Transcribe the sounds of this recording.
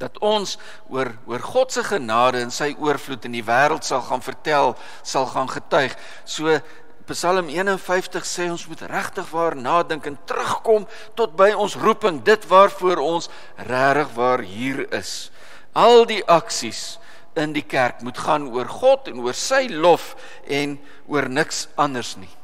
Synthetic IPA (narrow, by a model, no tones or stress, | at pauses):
d̥ɐtɔns | uər | uərχɔtsəχənɑːdəənsəjʔuərflutəndivæːɾəlˠtsɐlˠχɑːnfərtælˠ | sɐlˠχɑːnχətœɥχ | suə | pəsɐləmiənənfəjftəχsɛːɔnsmutræχtəχvɑːrnɑːdəŋkɛntrəχkɔm | tɔt̚bəjɔnsrupəŋdətvɑːrfuəɾɔns | ræːɾəχvɑːrɦiːrə̰s | ʔɐlˠdiʔɐksis | əndikærkmutχɑːnuərχɔtɛnuərsəjlɔf | ʔɛn | uərnəksɐndərsni